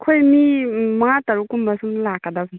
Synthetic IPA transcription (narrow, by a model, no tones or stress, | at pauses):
kʰojnimɐŋatɐɾukːumbasumlakːadabi